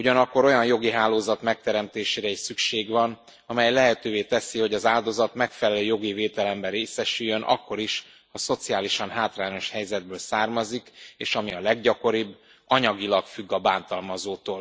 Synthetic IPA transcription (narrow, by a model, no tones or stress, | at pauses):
uɟɒnɒkːo̞ɾo̞jɒnjo̞ɡiɦaːloːzɒt̪mɛk̚t̪ɛɾɛmt̪eːʃeːɾɛiʃsykʃeːɡvɒn | ɒmɛjlɛɦɛt̪øːveːt̪ɛsiho̞ɟɒzaːld̪o̞zɒt̪mɛkfɛlɛløːjo̞ɡiveːt̪ɛlɛmbɛɾeːsɛʃyjːønʔɒ̰kːo̞ɾiʃ | hɒso̞t̪siaːliʃɒnɦaːt̪raːɲo̞ʃhɛjzɛd̪̚bøːlsaːrmɒzikeːʃɒmiɒlɛɡɟɒko̞ɾibː | ɒɲɒɡilɒkfyɡːɒbaːnt̪ɒlmɒzoːt̪oːl